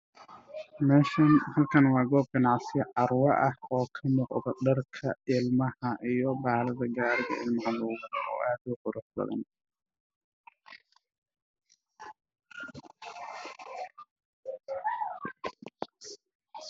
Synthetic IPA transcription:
mɛːʃɐnhɐlkʰɐnwɑːɡɔːb̚ɡɐnɑʕsɪjɐʕɑrwɐʔɐhɔːkʰɐmʊqðɐɖɐrkʰɐɪlmɐhɐʔijɞbaːlɐðɐɡaːɾɣɐ̰ʔɪlmɐɦɐlɔʊɣʊbɐɔ̰ːʔaːd̪ʊqʊɾʔʊħbɐ̰ðɐ̰n

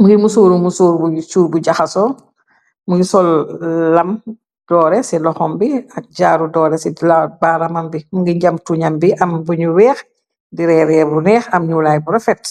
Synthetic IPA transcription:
muɡimusuːɾumusuːɾbusuːɾbuɟaxɐsɔ | muɡisɔlːɐm | d̥ɔːɾɛsɛlɔxɔmbiɐk̚ɟaːɾudɔːɾɛsilabaːɾɐmɐmbimuɡiɲɟɐmtuɲambiʔɐmbuɲuwɛːx | diɾɛɾɛbunɛːxɐmɲulaːjbuɾɐfɛt

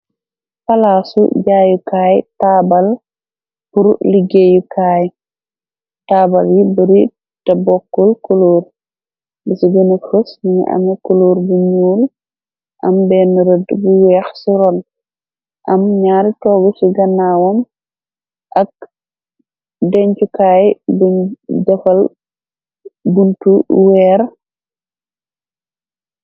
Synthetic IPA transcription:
falaːsṵɟaːjukaːjtaːbal | puɾliɡejukaːj | taːbaljibəɾi | tabɔkːɔlkoloːɾ | bisiɡənəfəsniɲḭʔa̰mɛkoloːɾbuɲuːl | ʔɐmbɛːnəɾədbuwɛːxsiɾɔn | ʔɐmɲaːɾtɔːɡɔsiɡɐnːawɔm | ʔɐk̚ | dɛɲt͡ʃukaːjbudɐfɐl | buntuwɛːɾ

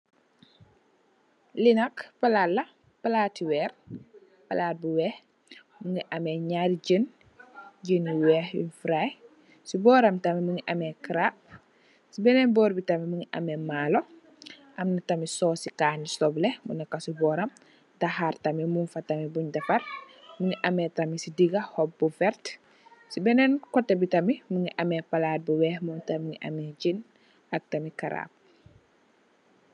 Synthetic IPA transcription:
linɐkpɐlalːɐ | pɐlaːtiwɛːr | pɐlaːt̚buwɛh | muŋiʔɐmɛɲaɾɟən | ɟəniwɛːhḭfɾaj | subɔːɾɐmtɐmimuŋiʔɐmɛkɾap̚ | sibɛnɛbɔːɾbitɐmimuŋiʔɐ̰mɛmaːlo | ʔɐmnɐtɐmisɔːsikaːnisɔblɛmṵnɐkːɐsubɔːɾɐm | dahartɐmimunfɐtɐmibuɲdɐpɐr | muɲiʔɐmɛtɐmisidiɡɐhɔp̚bufɛɾt | sibɛnɛnkɔtːɛbitɐmimuɲiʔɐmɛpɐlaːt̚buwɛːhmɔntɐmuɲiʔɐ̰mɛɟin | ɐk̚tɐmikɐɾa̰ːp̚

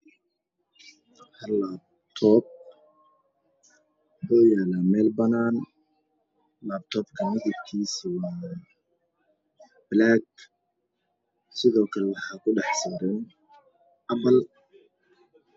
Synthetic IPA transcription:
hɐlaːb̚ | t̪ʰɔːb̚ | hɔːjaːlamɛːlbɐnaːn | laːb̚t̪ʰɔːbkʰɐmɪɣɪbkʰiːswɑː | blaːɡ | sɪðɔːkʰɐlɛwɑħaːkʰʊɖɑħsaːɾɐn | ʔɐbɐl

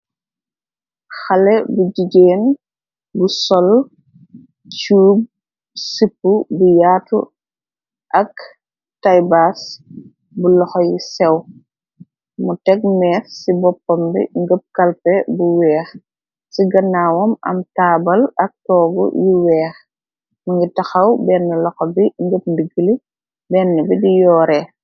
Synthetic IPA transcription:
xalɛbuɟiɡeːn | busɔl | t͡ʃuːb̚ | sipːubujaːtṵ | ʔɐk | tajbas | bulɔxɔjisɛw | mutɛk̚mɛːfsibɔpːɔmbḭŋɡəp̚kɐlpɛbuwɛːx | siɡɐnːawɔmɐ̰mtaːbɐlɐk̚tɔːɡɔ̰jiwɛːx | muŋɡitɐxɐwbɛːnːɛlɔxɔbiŋɡəp̚ndiɡili | bɛnːɛbidijɔːɾɛ

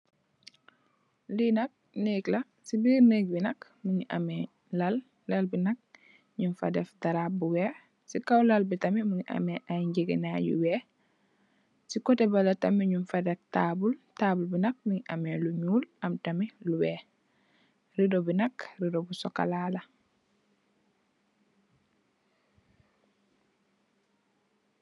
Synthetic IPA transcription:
linɐk̚neːklɐ | sibiɾneːk̚binɐk | muɲiʔa̰mɛ | lal | lalbinɐk̚ | ɲunfa̰dɛfdaɾaːbuwɛː | sikawlalbitɐmimuɲiʔa̰mɛʔajɲɟeɡḭnajṵwɛː | sikɔtɛbalɐtamiɲunfadɛftaːbultaːbulbinɐk̚miŋʔa̰mɛluɲuːlɐmtamiluwɛː | ridobinɐkɾidobusɔka̰laːlɐ

